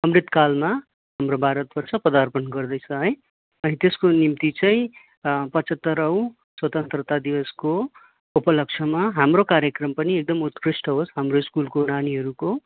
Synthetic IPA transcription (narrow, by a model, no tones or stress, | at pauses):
ʌmrit̪kalma | ɦamrobʱaɾʌt̪̚bʌrt͡sʰʌpʌd̪arpʌnɡʌrd̪ʌjt͡sʰʌ̃ɦʌj | ʌɦĩt̪eskonimt̪it͡sʌĩ | pʌt͡sʌt̪ːʌɾʌw̃ | swʌt̪ʌnt̪rʌt̪ad̪iwʌsko | upʌlʌk̚t͡sʰʌmaɦamrokaɾjʌkrʌmpʌniek̚d̪ʌmut̪krisʈʌɦosɦamroiskulkonaniɦʌɾuko